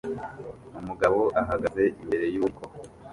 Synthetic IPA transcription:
umuɡaβo̞ʔaɦaɡaze̞ʔimbe̞ɾe̞juːkʰo̞

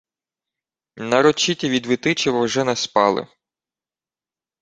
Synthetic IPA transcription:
nɐɾɔt͡ʃitʲiʋʲid̪ʋɪt̪ɪt͡ʃiwɐwʒɛnɛspɑlˠɪ̰

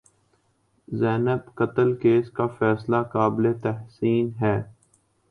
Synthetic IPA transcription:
zɛːnəbkət̪əlkeːskafɛːslakaːblet̪ɛɦsiːnɦɛː

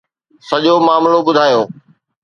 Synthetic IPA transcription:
sɐʄomaːmlobʊd̪ʱaːjoː

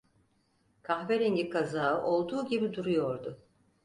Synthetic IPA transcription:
kʰaxveɾinɟikʰazaːɯʔo̞lˠd̪uːɟibid̪uɾujo̞ɾd̪ʊ

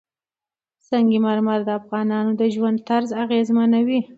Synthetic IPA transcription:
sɑŋɡimaɾmaɾd̪əafɣɑnɑnod̪əʒwand̪̚t̪aɾzaɣezmanawi

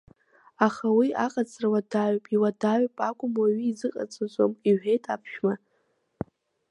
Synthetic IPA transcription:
aχawiaqʼat͡sʰʼrawadaɥpʼiwadaɥpʼakʷʼʊmwaɥiːzɨqʼa̰t͡sʼat͡sʷʼomiʕʷᶣe̞jtʼapʰʃᶣma

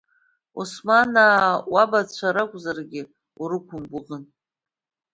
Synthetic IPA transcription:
usmanawabat͡ɕʷʰaɾakʷʼzarɡʲɪ | uɾɨkʷʰʊmbʷʊʁən

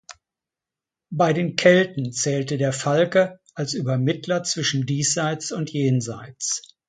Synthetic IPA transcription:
baɪdeːnkʰɛltn̩t͡sɛːltədeːɐfalkəʔalsyːbɐmɪtʰlɐt͡sv̥ɪʃn̩diːsz̥aɪt͡sʊntjeːnza̰ɪt͡s

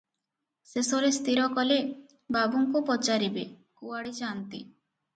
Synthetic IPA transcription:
sesoɾest̪iɾɔkɔle | babuŋkupɔt͡ʃaɾibekuaɽid͡ʒant̪ḭ

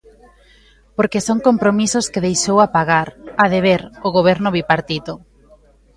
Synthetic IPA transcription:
poɾkesoŋkompɾomisʊskɪðejʃowapaɣaɾaðeβeɾʊɣoβ̞ɛɾnʊβipaɾt̪it̪o

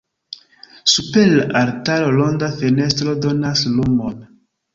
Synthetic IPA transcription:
supelːaɾtalolondafene̞stɾo̞do̞naslumon

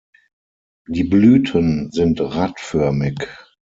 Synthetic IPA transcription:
diːblyːtʰənzɪntʁatfœɐmɪk

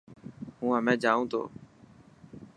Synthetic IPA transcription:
ɦũːãmɛ̃ːd͡ʒaːũːt̪ʰo̰ː

